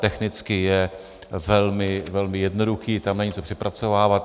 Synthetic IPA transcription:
t̪ɛxnɪt͡skɪjɛ | vɛlmɪvɛlmɪjɛdnoduxiːt̪amnɛɲɪt͡so̞pr̥ɪpɾat͡so̞vaːvat̪

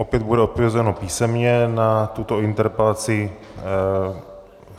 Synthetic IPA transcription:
ʔopjɛd̪budɛoppkvɛzɛnopiːsɛmɲɛnat̪ut̪o̞ɪnt̪ɛɾpɛlat͡sɪ

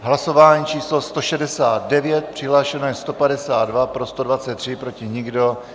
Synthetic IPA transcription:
ɦlaso̞vaːɲiːt͡ʃiːslo̞st̪o̞ʃɛdɛsaːd̪̚dɛvjɛt̪̚pr̝̥ɪɦlaːʃɛnojɛst̪o̞padɛsaːd̪dvapɾo̞st̪odvat͡sɛt̪ːr̝̥ɪpɾo̞cɪɲɪɡdo̞

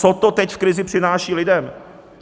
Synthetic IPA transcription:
t͡sot̪ot̪ɛcfkɾɪzɪpr̝̥ɪnaːʃiːlɪdɛm

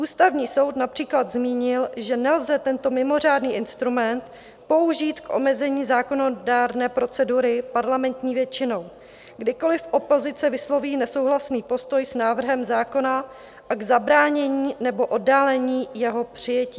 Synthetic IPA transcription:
ʔuːst̪avɲiːso̞wt̪napr̥iːklad̪zmiːɲɪlʒɛnɛlzɛt̪ɛnt̪o̞mɪmo̞r̝aːdniːʔɪnst̪ɾumɛnt̪ | po̞uʒiːt̪kʔo̞̰mɛzɛɲiːzaːko̞nodaːɾnɛːpɾo̞t͡sɛduɾɪpaɾlamɛnt̪ɲiːvjɛt͡ʃɪno̞w | ɡdɪko̞lɪfʔo̞po̞zɪt͡sɛvɪslo̞viːnɛsowɦlasniːpo̞st̪o̞jsnaːvr̩ɦɛmzaːko̞na | ʔaɡzabɾaːɲɛɲiːnɛbo̞ʔo̞dːaːlɛɲiːjɛɦo̞pr̝̥ɪjɛciː

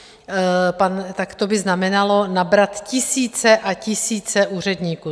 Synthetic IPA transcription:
pant̪akt̪o̞bɪznamɛnalo̞nabɾat̪cɪsiːt͡sɛʔacɪsiːt͡sɛʔuːr̝ɛdɲiːkuː

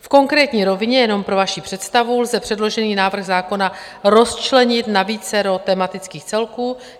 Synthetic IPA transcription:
fko̞ŋkɾɛːt̪ɲiːɾo̞vɪɲɛjɛno̞mpɾo̞vaʃipr̥ɛt̪st̪avulzɛpr̝̥ɛdlo̞ʒɛniːnaːvr̩ɣzaːko̞na | ɾo̞st͡ʃlɛɲɪt̪naviːt͡sɛɾo̞t̪ɛmat̪ɪt͡skiːxt͡sɛlkuː

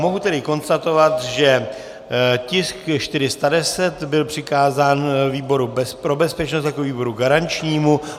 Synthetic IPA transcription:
mo̞ɦut̪ɛdɪko̞nst̪at̪o̞vat̪ʒɛ | cɪskʃt̪ɪɾɪst̪adɛsɛt̪bɪlpr̝̥ɪkaːzaːnviːbo̞ɾubɛspɾo̞bɛspɛt͡ʃnost̪jakoviːbo̞ɾuɡaɾant͡ʃɲiːmu

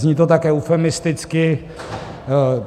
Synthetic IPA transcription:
zɲiːt̪ot̪akɛːufɛmɪst̪ɪt͡skɪ

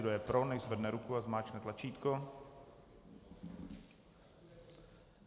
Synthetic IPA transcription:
dojɛpɾonɛjzvɛdnɛɾukuazmaːt͡ʃnɛt̪lat͡ʃiːt̪ko

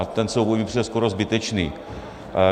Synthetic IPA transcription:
at̪ɛnsowvʲiprɛskoɾozbɪt̪ɛt͡ʃnḭː

